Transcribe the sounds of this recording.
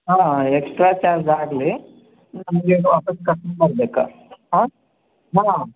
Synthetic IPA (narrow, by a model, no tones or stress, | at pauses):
ɦãːeksʈɾat͡ʃaːɾd͡ʒaːɡle | nɐmɡeʋaːpɐskɐʈnbɐɾb̪eka̰ɦã | ɦã